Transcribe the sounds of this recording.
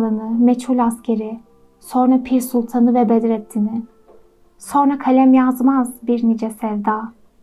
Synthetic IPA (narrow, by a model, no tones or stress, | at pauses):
lˠɯnɯmet͡ʃhulʲascʰeɾi | so̞nɾapʰiɾsulˠt̪ʰanɯvɛbed̪iɾɛt̪ʰːinɪ | so̞nɾakʰalʲɛmjazmazbiɾnid͡ʒɛsɛvd̪aː